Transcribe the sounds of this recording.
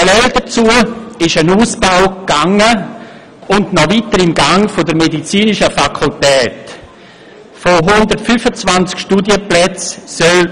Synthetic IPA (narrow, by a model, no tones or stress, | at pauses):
əlɛldɐt͡suəɪʃənuːsb̥aʊkɡ̥aŋə | ʊndnɔvitəɾɪmɡaŋfodəɾmedit͡siːnɪʃəfakʰultɛːt | foɦʊndəɾtfyfət͡svant͡skʃtudjəplɛt͡ssœl